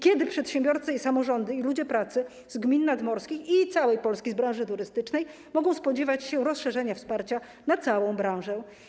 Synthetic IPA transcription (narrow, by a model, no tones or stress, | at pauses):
kʲɛd̪ɘpʂɛt̪ɕɛ̃mbʲjɔɾt̪sɛisamɔʐɔnd̪ɘilud͡ʑɛpɾat̪sɘ | zɡmʲinːad̪mɔɾskʲixit̪sawɛjpɔlskʲizbɾãw̃ʐɘt̪uɾɘst̪ɘt͡ʂnɛj | mɔɡɔ̃w̃spɔd͡ʑɛvat͡ɕɕɛɾɔsʂɛʐɛɲafspaɾt͡ɕa | nat̪sawɔ̃w̃bɾãw̃ʐɛ